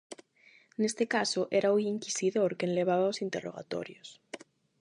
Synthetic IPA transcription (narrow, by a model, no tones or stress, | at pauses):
nest̪ekasoʔeɾauiŋkisiðoɾkenleβ̞aβ̞aosint̪eroɣ̞a̰t̪o̰ɾjos